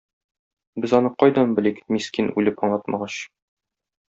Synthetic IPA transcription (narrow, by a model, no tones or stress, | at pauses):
bɘzɒnɤqɒjd̪ɒnbɘ̆likmiskinʉlɘpɒɴlˠɑt̪mɑʁɑɕ